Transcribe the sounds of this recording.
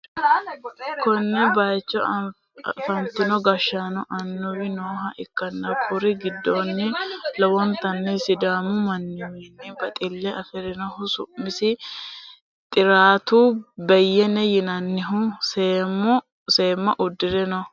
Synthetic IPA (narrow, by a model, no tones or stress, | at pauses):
kɔnːɛbajt͡ʃːɔ | fɐnt̪ɪnɔɡɐʃːanɔʔɐnːʊwɪnoːɦɐʔɪkːɐnːɐkʰʊɾɪɡɪd̪ːonːɪlɔwɔnt̪ɐnːɛsɪd̪aːmʊmɐnːɪwɛnːɪbɐt̪ʼɪlːɛʔɐfɛɾɪnɔhʊsʊ̰mːɪsɪ | t̪ʼɪɾaːt̪ubɛjːɛnɛjɪnɐnːɪɦʊseːmʊ | se̞ːmːɐʔʊd̪ːɪɾɛnɔ